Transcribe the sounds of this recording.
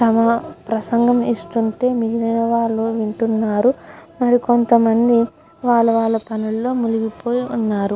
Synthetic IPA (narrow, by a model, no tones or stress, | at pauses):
t̪ɐmɐpɾɐsɐŋɡɐmist̪uɳʈe̞ːmiɡilɐjnɐʋaːɭːuʋiɳʈunːaːɾumɐɾikont̪ɐmɐnd̪i | ʋaːɭːuʋaːɭːɐpɐnɐlːo̞ːmuliʋipo̞ːjiunːaːɾu